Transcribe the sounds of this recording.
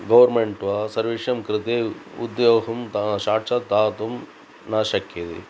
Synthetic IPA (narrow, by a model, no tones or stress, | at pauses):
ɡɐʋɐɾmeɳʈʋɐsɐɾʋiʂɐmkɾɪt̪eːṵd̪joːɦɐmt̪aʃaːɾt͡ʃɐd̪aːt̪um | naːʃɐkjɐt̪ḭ